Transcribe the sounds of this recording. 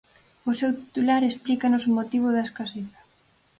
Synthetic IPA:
osewt̪i̥t̪ulaɾesplikanosomot̪iβ̞oðɐeskaseθɐ̥

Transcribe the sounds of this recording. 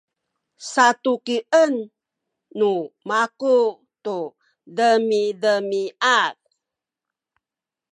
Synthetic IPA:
sat̪ukiʔənː | umaku | tu | dəmidəmiat̚

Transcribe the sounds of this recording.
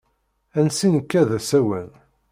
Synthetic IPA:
ænsinəkːæðæsæwən

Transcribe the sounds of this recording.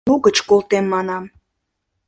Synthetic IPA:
uɣət͡ɕkolˠt̪emːɑnɑm

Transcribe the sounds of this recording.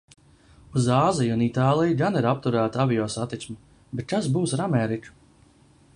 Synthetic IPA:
uzaːzijunit̪aːlˠijɡaniɾap̚t̪uɾæːt̪avʲijɔːsat̪it̪smi | bet̪̚k̪asbuːsɾamɛːɾit͡ʃu̥

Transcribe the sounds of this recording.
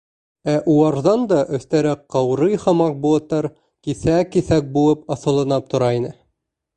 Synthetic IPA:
æʔuɑɾðɑnd̪ɑʔɵ̆θt̪æɾæqːɑwɾɤjχɑmɑq̚bulˠɤ̆t̪ːɑɾ | kisækːisæk̚bulˠɤpɑθɤ̆lˠɤ̆nɑp̚t̪ŏɾɑinɘ

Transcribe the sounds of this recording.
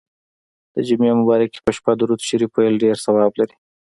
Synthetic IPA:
d̪̥əd͡ʒimemʊbɑɾake̥pəʃpad̪uɾut̪ʃiɾipojlɖeɾsawɑblaɾi

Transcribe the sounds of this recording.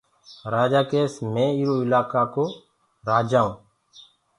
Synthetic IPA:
ɾaːd͡ʒaːkeːsmẽːiːɾoːɪlaːkaːkoː | ɾaːd͡ʒaːõː

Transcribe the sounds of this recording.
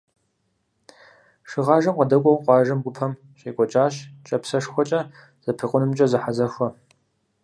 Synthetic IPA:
ʂɨʁɑːʒɐmqɐdɐkʷʼɔwqʷɑːʒɐmɡʷʊpʰɐm | ɕeːkʷʼɔt͡ʃʼaːɕt͡ʃʼɐpsɐʂxʷɔt͡ʃʼɐ | z̥ɐpʰɨqʷʼʊnɨmt͡ʃʼɐzɨħazɐxʷɔ

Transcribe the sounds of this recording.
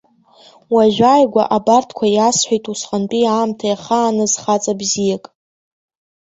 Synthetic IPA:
waʒᶣajɡʷa̰ʔabartʰkʷʰajasħʷejtʼusχant͡pʼiaːmtʰajaχaːnɨzχat͡sʼabzijakʼ

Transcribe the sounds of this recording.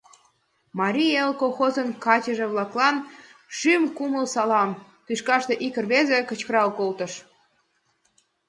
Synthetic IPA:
mɑɾʲielkoxozənkɑt͡ɕəʒĕβlɑklɑnʃymkuməlsɑlɑm | t̪yʃkɑʃt̪eʔikərβezĕkə̆t͡ɕkəɾɑlkolt̪əʃ

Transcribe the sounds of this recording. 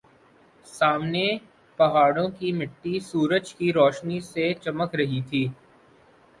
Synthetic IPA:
saːmne | pɐɦaːɽõkimɪʈːisuːɾəd͡ʒkiɾɔːʃniset͡ʃɐməkɾɐɦit̪ʰiː

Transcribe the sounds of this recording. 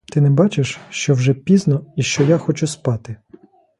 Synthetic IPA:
t̪ɪnɛbɑt͡ʃɪʃʃt͡ʃɔwʒɛpʲiznɔiʃt͡ʃɔjaxɔt͡ʃuspɑt̪ɪ

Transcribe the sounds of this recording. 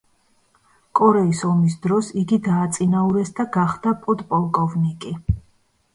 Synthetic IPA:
kʼɔɾɛisɔmis̬d̪ɾɔsiɡid̪aːt̪sʼinauɾɛsd̪aɡaχd̪apʼɔt̪ʼpʼɔlˠkʼɔvnikʼi

